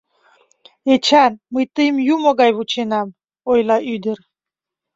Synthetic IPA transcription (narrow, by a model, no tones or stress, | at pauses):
et͡ɕænməjt̪əjəmjumoɣɑjβut͡ɕenɑm | ojlɑʔyd̪ər